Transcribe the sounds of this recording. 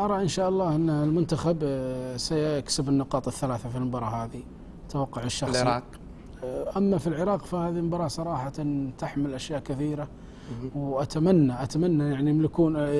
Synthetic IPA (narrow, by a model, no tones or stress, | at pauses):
ʔɑɾˤɑʔɪnʃaːʔɑlˤːɑːʔɪnːlmʊnt̪axabsajksɪbɪnːɪqɑːt̪ˤɪθːalaːθafilmbɑɾˤɑɦaːði | t̪awɑqːʊʕɪʃːɑɾɑːq | ʔamːafilʕɪɾˤɑːqfahaːðimbɑɾˤɑːsˤɑɾˤɑːħant̪ɪħmɪlʔaʃjaːʔkɪθiːɾa | wʔat̪amanːaʔat̪amanːajaʕnimlɪkuːn